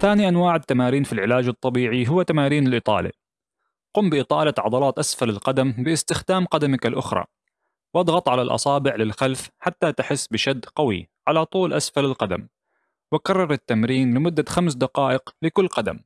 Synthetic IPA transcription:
θaːniʔanwaːʕɪt̪ːamaːɾiːnfilʕɪlaːd͡ʒɨt̪ˤːɑbiːʕiɦʊwːat̪amaːɾiːnɪlʔɨt̪ˤɑ̰ːlḭ | qʊːmbɪʔɨt̪ˤɑːlat̪ʕɑd̪ˤɑlɑːt̪ʔasfalalqɑd̪ambɪɪst̪ɪxd̪aːmqɑd̪amɪkalʔʊxɾˤɑ̰ | wʔɑd̪ˤɣɑt̪ˤʕalalʔɑ̰sˤɑːbɪʕlɪlxalfħat̪ːat̪ɪħɪsːbɪʃad̪ːqawḭʕalat̪ˤuːlʔasfalalqad̪a̰m | wɪkɑrˤːɑɾˤɪt̪ːamɾiːnlɪmʊd̪ːaxamsd̪aqɑːʔɪqlɪkʊlːqɑd̪a̰m

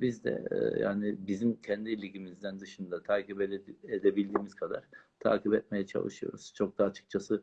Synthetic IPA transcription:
bizd̪ɛ̰ja̰ːnɪbizimcʰɛnd̪ilʲiɟimizd̪ænd̪ɯʃɯnd̪at̪ʰaːcipeed̪ebilʲd̪iːmiz̥kʰad̪a̰ɾ̥t̪ʰa̰ːcipɛt̪̚me̞jɛt͡ʃʰa̰lˠɯ̰ʃɯjo̞̰ɾuz̥t͡ʃʰo̞k̚d̪aːt͡ʃʰɯ̥k̚t͡ʃʰasɯ

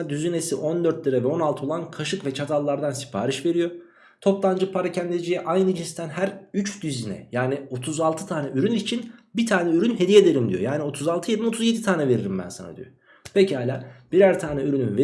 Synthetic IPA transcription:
d̪yzyne̞siʔo̞nd̪ø̞ɾt̪lʲiɾavɛo̞nalˠt̪ʰɯolˠankʰaʃɯkvɛt͡ʃʰat̪ʰalˠːaɾd̪ansi̥pʰaːɾiʃve̞ɾijo̞ | t̪ʰo̞plˠand͡ʒɯpʰaɾacʰænd̪ed͡ʒijɛʔajnɯd͡ʒinst̪ʰænhæɾyt͡ʃd̪yzinɛ̰jaːnio̞t̪ʰuzalˠt̪ʰɯ̥t̪ʰaːnɛʔyɾynit͡ʃʰinbit̪ʰaːnɛyɾynɦe̞d̪ije̞d̪eɾimd̪ḭjo̞jaːnio̞t̪ʰuzalˠt̪ʰɯjed̪imot̪ʰuzje̞d̪it̪ʰaːnɛve̞ɾiɾimbæ̰nsa̰na̰d̪ḭjo̰ | pʰecihaːjlʲa̰ːb̥iɾæɾt̪ʰaːnɛyɾynynve

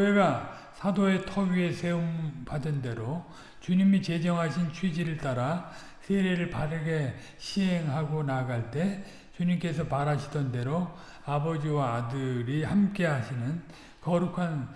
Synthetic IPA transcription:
eɡa | sʰadoe̞tʰʌɡie̞sʰe̞ompadɯnde̞ɾo | t͡ɕuɲimit͡ɕe̞d͡ʑʌŋɦaɕʰint͡ɕʰwid͡ʑiɾɯɭt͈aɾa | sʰeɾeɾɯɭpaɾɯɡe̞ | ɕʰiɦe̞ŋɦaɡonaɡaɭt͈e̞ | t͡ɕuɲimk͈e̞sʰʌpaɾaɕʰidʌnde̞ɾo | abʌd͡ʑiwaːdɯɾihamk͈e̞ɦaɕʰinɯn | kʌɾukʰan

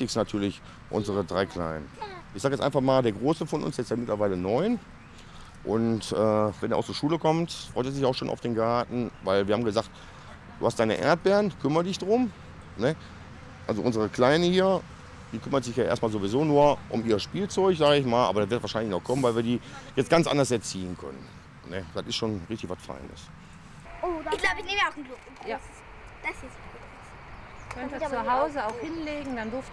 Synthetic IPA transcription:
tɪsnatʰyːɐlɪç | ʔʊ̰nzəʁədʁaɪkʰl̥a̰ɪnənʔɪçzaːkjɛt͡sʔa̰ɪnfaχmaːldeːɐɡʁoːsəfɔnʔʊ̰nsjɛt͡staːmɪtlɐvaɪlənɔʏn | ʔʊ̰ntʔɛːvɛndeːɐ̰ʔaʊst͡suːɐʃuːləkʰɔmtfʁɔʏteːzɪçaʊxʃoːna̰ʊfd̥eːnɡaɐtn̩vaɪlviːɐhaːmɡəzaːkt | d̥uːhastd̥aɪnəʔḛːɐt̚b̥ɛːɐʁənkʰʏmɐdɪçd̥ʁʊm | nə | ʔalzoʔʊnzəʁ̞əkl̥aɪnəhiːɐ | d̥iːkʰʏmɐtz̥ɪçjaːʔḛɐstmaːlzovizoːnuːɐʔʊmiːɐʃpiːlt͡sɔʏçz̥aːɡəɪç̬maːlʔa̰ːbɐdatv̥ɪɐtv̥aːʃaɪnlɪçnɔχkʰɔmənvaɪlviːɐdiːjɛt͡stɡ̥ant͡sʔa̰ndɐsɛɐt͡siːənkʰœ̰nə̰n | nəd̥atɪstʃoːnʁɪçtɪçvatfa̰ɪnə̰s | oɪɡ̥laʊbəɪneːməaʊnɡlʊk | jaː | d̥ | kʰœntət͡suɦaʊzəaʊxhɪnleːɡŋ̩d̥andʊɐft

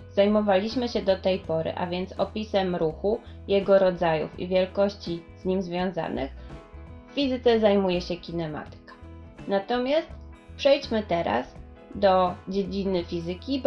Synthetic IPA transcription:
z̥ajmɔvalʲiɕmɘɕɛd̪ɔt̪ɛjpɔɾɘ̰ʔa̰vʲjɛnt̪sɔpʲisɛmɾuxujɛɡɔɾɔd̪zajṵfḭvʲjɛlkɔɕt͡ɕiz̥ɲimzvʲjɔ̃w̃za̰nɘ̰xfːʲizɘt̪sɛzajmujɛɕɛkʲinɛma̰t̪ɘ̥kḁnat̪ɔmʲjast̪pʂɛjt͡ɕmɘt̪ɛɾa̰sd̪ɔd͡ʑed͡ʑinɘfʲizɘkʲib

